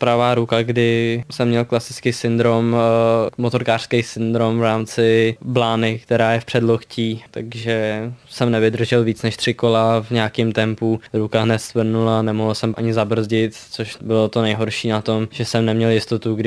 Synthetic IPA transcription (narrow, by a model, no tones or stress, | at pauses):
pɾavaːɾukaɡdɪsɛmːɲɛlklasɪt͡skɪsɪnd̪ɾom | mot̪o̞ɾkaːr̥skɛjsɪnd̪ɾomvɾaːmt͡sɪblaːnɪkt̪ɛɾaːjɛfpr̝̥ɛdloxciːt̪aɡʒɛsɛmnɛvɪd̪r̩ʒɛlviːt͡snɛʃt̪r̥ɪko̞lavɲɛakimt̪ɛmpuɾukaɦnɛt̪svr̩nulanɛmoɦl̩sɛmʔaɲɪzabr̩zɟɪt̪t͡soʃbɪlot̪onɛjɦo̞ɾʃiːnat̪o̞mʒɛsɛmnɛmɲɛljɪst̪o̞t̪uɡdɪ